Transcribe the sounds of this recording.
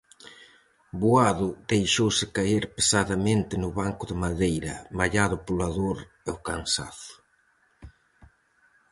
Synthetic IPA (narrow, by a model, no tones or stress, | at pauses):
buaðʊðejʃowsɪkaeɾpesaðɐmẽnt̪ɪnʊβaŋkʊðemaðejɾɐ̰maʎaðʊpolaðoɾ | ɛokansa̰θʊ̥